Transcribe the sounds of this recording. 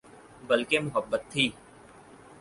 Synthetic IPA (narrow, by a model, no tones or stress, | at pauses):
bəlkemʊɦəbːət̪ʰːiː